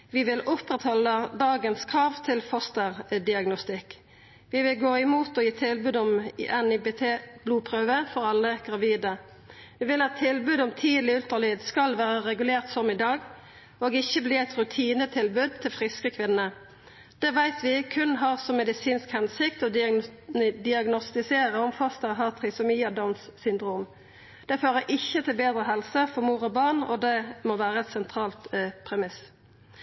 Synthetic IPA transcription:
ʋɪʋɪlʔʊpʁɛt̪hɔləd̪ɑːɡənskʰɾɑːʋt̪ʰɪlfɔst̪əʁd̪ɪɑɡnʊst̪ɪk | ʋɪʋɪlɡoːɪmuːt̪ɔjiːt̪ʰɪlbʉːd̪ɔm̰ʔɛnɪbeːt̪ʰeːb̥luːpʰʁøːʋəfɔʁɑlːəɡʁɑʋiːd̪ə | ʋɪːʋɪlɑt̪ʰːɪlbʉːd̪ɔmt̪ʰiːd̪lɪʉlt̪əʁlyːd̪skɑlʋæːʁəʁɛɡʉleːʁt̪sɔmɪd̪ɑːɡ | oːɡɪçːəbliːæɪt̪ɾʉt̪ʰiːnət̪ʰɪlbʉd̪̚t̪ʰɪlfʁɪskəkʰʋɪnːə | d̪̥ɛʋæɪt̪ʋɪkʰʉnɦɑːʁsɔmɛd̪ɪsiːnskhɛnsɪkt̪ɔd̪ | d̪ɪɑɡnɔst̪ɪseːʁəɔmfɑst̪əʁəɦɑːʁt̪ʰʁɪsɔmiːɑd̪ɔnssʏnd̪ʁuːm | d̪̥ɛføːʁəʔɪçːət̪ʰɪlbeːd̪ʁəɦɛlsəfɔʁmuːʁɔbɑʁɳɔ̰d̪ɛmoːʋæːʁəɛt̪sɛnt̪ʰʁɑːlt̪pʰʁɛmɪs

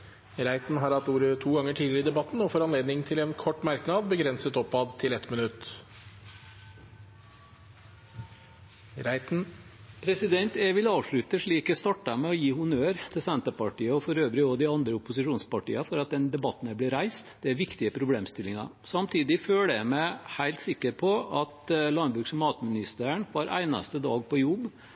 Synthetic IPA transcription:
ɾæɪt̪nɦɑɾɑt̪uːɾət̪ʰuːɡɑŋːəʈʰiːd̪ɪd̪ɛbɑt̪ːn̩ɔfɔɾɑnleːd̪nɪŋt̪ʰɪlɛːnkʰɔʈːmɑɾknɑd̪̚bəɡɾɛnsət̪ɔpːɑd̪̚t̪ʰɪlɛt̪mənʉt̪ː | pʰɾɛsɪd̪ɛnt̪ɛʋɪlɑːʋʂɭʉt̪əʂɭiːkɛst̪ɑʈːɑmɛɔjiːhʊnøːɾt̪ʰɪlsɛnt̪əpɑʈiːəɔfɔɾøːʋɾɪɔd̪ɪɑnd̪ɾəʊpʊsɪʂuːnspɑʈḭːɑfɔɾɑt̪̚d̪ɛnd̪ɛbɑt̪ːn̩əblɪɾæɪst̪d̪̥ɛæɾʋɪkt̪ɪəpʰɾʊbleːmst̪ɪlɪŋɑ̰sɑmt̪ʰiːd̪ɪføːləæmæhæɪlt̪sɪkːəɾpʰɔɑt̪lɑnbɾʉːksɔmɑːt̪mɪnɪst̪əəɳʋɑːɾʔæ̰ɪnɑ̰st̪əd̪ɑːɡ̚pɔjʊb

